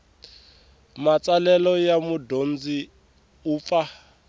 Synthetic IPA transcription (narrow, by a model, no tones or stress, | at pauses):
mat͡sʼalɛlɔjamudond͡zi | uːp̪fa